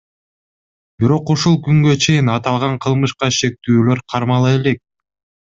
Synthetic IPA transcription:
biɾo̞quʃulˠkyŋɡøt͡ʃʰe̞jinɑt̪ɑlˠʁɑɴqʰɯlˠmɯʃqɑʃe̞k̚t̪yːlø̞ɾqʰɑɾmɑlˠɯe̞le̞k̚

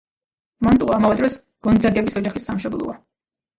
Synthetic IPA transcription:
mant̪ʼqʼaamavɛd̪ɾɔs | ɡ̥ɔnd̪zaɡɛbisɔd͡ʒaχisːamʃɔblˠɔ̰a

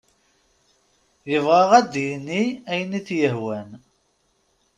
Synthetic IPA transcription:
jəvʁɑʁæd̪jənːiæjənːiθjəɦwæn

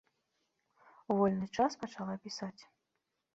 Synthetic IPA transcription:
uvɔlʲnɨt͡ʂaspɐt͡ʂalˠapʲisat͡sʲ

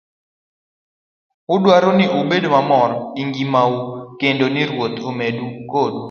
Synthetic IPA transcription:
ʊdwaɾonɪʔobedomamɔɾiŋɡimaukendonɪɾwot̪omedukodu

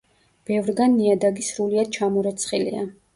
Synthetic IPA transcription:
b̥ɛvɾɡanːiad̪aɡisɾuliad̪̥̚t͡ʃʰamɔɾɛt̪sʰχilḭa

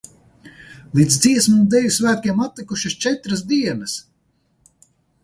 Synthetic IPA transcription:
lˠiːd̪zd̪ziɛsmumd̪ɛjusvæːt̪̚kʲiɛmat̪likuʃɐst͡ʃɛt̪ɾas̬d̪iɛnɐs

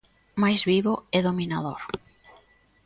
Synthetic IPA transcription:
majzβiβoɛðominaðo̰ɾ

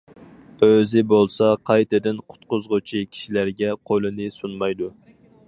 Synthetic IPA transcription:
øzɪbolˠsɑqʰɑjt̪ɨd̪ɪnqʰʊ̥t̪̚qʊzʁʊt͡ʃʰikʲʰi̥ʃilæɾɡʲɛqʰojlˠɨnɨsunmɑjd̪u

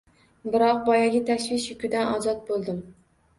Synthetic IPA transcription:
bɪɾɑq̚bɒjaɡʲɪt̪ʰæʃvɪʃjʊkʲʰyd̪ænɒːzɑt̪̚bolˠd̪ɪm

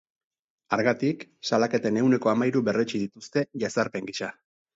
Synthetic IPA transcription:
aɾɣat̪iksalake̞t̪e̞ne̞wne̞ko̞amajɾuβe̞ret͡ʃið̞it̪ust̪e̞ʝasaɾpe̞ŋɡiʃa

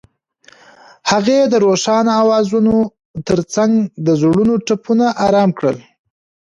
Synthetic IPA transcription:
haɣed̪əɾoʃɑnawɑzuno | t̪əɾt͡saŋɡd̪əzɽunoʈapʰunaʔɑɾɑmkɽəl

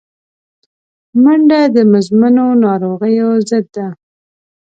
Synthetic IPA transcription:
maɳɖad̪əmʊzmanonɑɾoɣəjozəd̪ːa

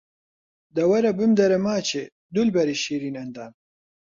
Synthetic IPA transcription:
d̪ɐwɐɾɐbɨmd̪ɐɾɐmaːt͡ʃe | d̪ulbɐɾiʃiɾinɐnd̪aːn

